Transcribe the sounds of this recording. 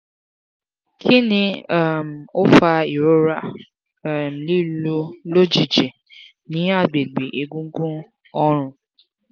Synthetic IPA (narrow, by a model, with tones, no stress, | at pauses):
kʰi˦nĩ˧a˦˨m̩˨o˦fa˧i˨ɾo˦ɾa˦ | m̩˨li˦lo˦lo˦d͡ʒi˨d͡ʒe˨ | nĩ˨˦a˦˨ɡ͡be˨ɡ͡be˨ʔe˨ɡũ˦ŋ̩˦ɡũ˦ | ɔ˦ɾ̃ʊ̃˧